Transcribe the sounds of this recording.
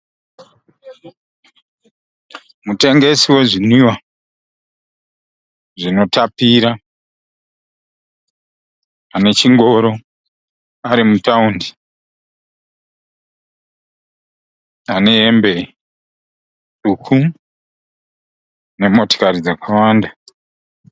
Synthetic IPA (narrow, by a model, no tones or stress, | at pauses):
mute̞ŋɡe̞siwe̞ʐiniwa | ʐino̞tapiɾa | ane̞t͡ʃiŋɡo̞ɾo̞ | aɾimutaundi | ane̞embe̞ | ukʰu | ne̞mo̞to̥kaɾid͡zakawaːnda